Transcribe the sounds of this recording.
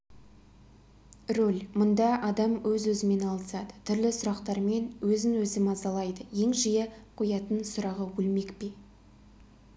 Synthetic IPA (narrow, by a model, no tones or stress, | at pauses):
rolʲmʊnd̪ɑʔɑd̪ɑmwɵzwɵzɪme̞nɑlˠəsɑd̪ət̪ʰʏɾlɪsʊɾɑqt̪ɑɾme̞nwɵzɪnwɵzɪmɑzɑlˠɑjd̪əje̞ŋʒijeqʰojɑt̪ənsʊɾɑʁəwɵlme̞kpe